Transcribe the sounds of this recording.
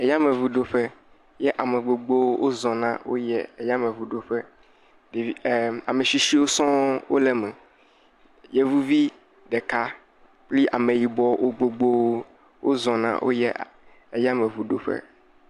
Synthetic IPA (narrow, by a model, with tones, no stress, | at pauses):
e˨ja˦mẽ˨vu˨ɖo˨ɸɛ˦ | jɛ˦ʔa˨me˨ɡ͡bo˨ɡ͡bo˦wo˦wʔo˦zɔ̃˨nã̰˦wo̰˦jɛ˦e˨ja˦mẽ˨vu˨ɖo˨ɸɛ˦ | ɖe˨i˨˦˨a˨me˨ʃi˦ʃi˦wo˦sɔ̃˦wo˦lɛ˦mɛ̃˨ | jɛ˦vu˦vi˦ | ɖɛ˨ka˦ | pli˦ʔa˨mẽ˨ji˨bɔ˦wʔo˦ɡ͡bo˨ɡ͡bo˦wo˦ | wo˦zɔ̃˨nã̰˦wʔo̰˦jɛ˦ | e˨ja˦mẽ˨vu˨ɖo˨ɸɛ̰˦